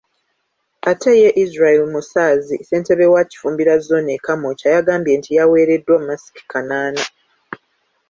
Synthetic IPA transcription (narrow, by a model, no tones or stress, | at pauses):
atʰe̞je̞ʔizɾaelimusaːzise̞ːnte̞βewaci̥fuːmbiɾazo̞nekamo̞cajaɡaːmbje̞ːntʰijawe̞ːɾe̞dːwamasi̥ki̥kanaːna